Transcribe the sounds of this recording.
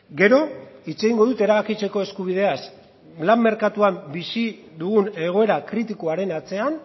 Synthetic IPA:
ɡe̞ɾo̞it͡se̞ɣiŋɡo̞ðut̪e̞ɾaβakit͡se̞ko̞e̞skuβ̞ið̞e̞as | lamːe̞ɾkat̪uambisi | ðuɣ̞une̞ɣ̞o̞e̞ɾakɾit̪ikuaɾe̞nat͡se̞an

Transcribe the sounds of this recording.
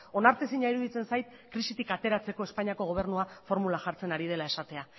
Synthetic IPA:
o̞naɾt̪esiɲaiɾuðit͡se̞nsajt̪̚ | kɾisit̪ikat̪e̞ɾat͡se̞ko̞e̞spaɲiako̞ɣ̞o̞β̞e̞ɾnuafo̞ɾmulaʝaɾt͡se̞naɾið̞e̞lae̞sat̪e̞a

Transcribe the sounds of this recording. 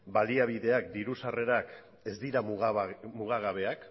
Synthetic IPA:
baliaβ̞iðe̞ak̚d̪iɾusare̞ɾak | e̞zd̪iɾamɣmuɣaɣ̞aβe̞ak

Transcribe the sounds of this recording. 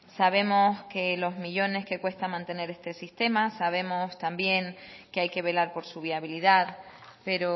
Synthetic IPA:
saβ̞e̞mo̞ske̞lo̞zmiʎo̞ne̞hke̞kwe̞st̪amãnt̪e̞ne̞ɾe̞st̪e̞sist̪e̞masaβ̞e̞mo̞st̪ambje̞ŋke̞ajke̞β̞e̞laɾpo̞ɾsuβ̞iaβ̞iliðaðpe̞ɾo

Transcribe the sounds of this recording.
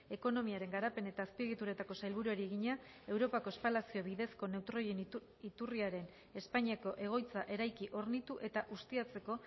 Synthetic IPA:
e̞ko̞no̞miaɾe̞ŋɡaɾape̞ne̞t̪aːspieɣit̪uɾet̪ako̞sajlβ̞uɾuaɾie̞ɣiɲa | e̞wɾo̞pako̞espalasio̞βiðe̞sko̞ne̞wt̪ɾoj | it̪uriaɾe̞n | e̞spaɲiako̞ʔe̞ɣ̞o̞jt͡saʔe̞ɾajkiʔo̞ɾnit̪uʔe̞t̪aʔust̪iat͡se̞ko̞

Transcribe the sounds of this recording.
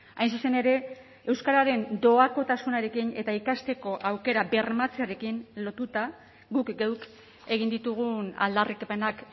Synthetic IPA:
ajnsuse̞ne̞ɾe̞ | e̞wskaɾaɾe̞nd̪o̞ako̞t̪asunaɾe̞kine̞t̪aikast̪e̞ko̞ʔawke̞ɾabe̞rmat͡seaɾe̞kinlo̞t̪ut̪a | ɣukɡewk | e̞ɣ̞ind̪it̪uɣ̞una̰ld̪arikepe̞nak

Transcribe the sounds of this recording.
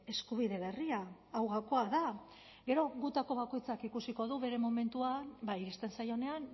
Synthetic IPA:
e̞skuβ̞iðe̞βe̞riaː | wɣakoaða | ɡe̞ɾo̞ɣut̪ako̞β̞ako̞jt͡sakikusiko̞ðuβe̞ɾe̞mome̞nt̪uabaiɾist̪e̞nsajo̞ne̞an

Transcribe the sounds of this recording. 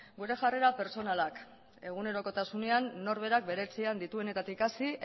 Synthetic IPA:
ɡuɾe̞ʝareɾape̞ɾt͡so̞nalak | e̞ɣ̞une̞ɾo̞ko̞t̪asune̞anːo̞ɾβ̞e̞ɾak̚be̞ɾe̞t͡siand̪it̪ue̞ne̞t̪at̪ikasi

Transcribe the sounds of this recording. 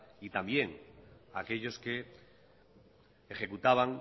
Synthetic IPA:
it̪ambje̞ŋa̰ke̞ʎo̞ske̞ | exe̞kut̪aβ̞aŋ

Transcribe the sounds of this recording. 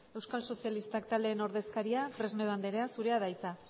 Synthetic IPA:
e̞wskalso̞sialist̪ak̚t̪ald̪e̞ːno̞ɾðe̞skaɾiafɾe̞zneðand̪eɾeasuɾeaðajt͡sa

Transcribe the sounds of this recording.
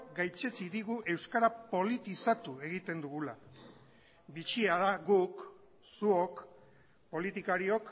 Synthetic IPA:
ɡajt͡se̞t͡siðiɣuʔe̞wskaɾapo̞lit̪isat̪ue̞ɣ̞it̪e̞nd̪uɣula | bit͡ʃiaðaɣuk | suo̞k | po̞lit̪ikaɾio̞k

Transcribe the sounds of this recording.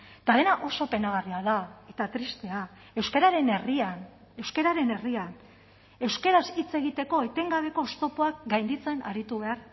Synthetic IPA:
t̪aðe̞naʔo̞so̞pe̞naɣariaðae̞t̪at̪ɾist̪e̞a | e̞wske̞ɾaɾe̞ne̞rian | e̞wske̞ɾaɾe̞ne̞rian | e̞wske̞ɾasit͡se̞ɣ̞it̪e̞ko̞et̪e̞ŋɡaβ̞e̞ko̞st̪o̞poakɡajnd̪it͡se̞na̰ɾit̪uβ̞e̞aɾ

